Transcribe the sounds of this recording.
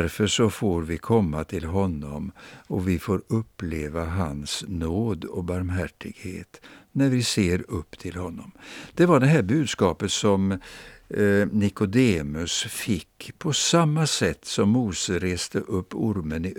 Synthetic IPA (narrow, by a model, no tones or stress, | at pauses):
ɾfəʂɔfoːɾvɪkʰɔmːat̪ʰɪlɦɔnːɔ̰mɔvɪfoːɾɵpːleːvaɦansnoːd̪ɔ̰baɾmɦæʈːɪɡ̥hḛːt̪næɾvɪseːɾɵpːt̪ʰɪlhɔnːɔmd̪̥ɛvaɖɛɦæːɾbʉ̟ːd̪skɑːpət̪sɔm | nɪkʊd̪eːmɵsfɪkːpʰɔsamːasɛt̪ːsɔmːuːsəɾeːst̪əʔɵpːʊɾmənɪ